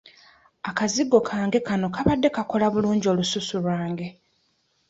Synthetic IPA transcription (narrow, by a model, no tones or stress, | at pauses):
akaziɡːo̞kʰaːŋɡe̞kano̞kaβadːe̞kako̞laβuluːɲɟio̞ːlususulwaːŋɡe̞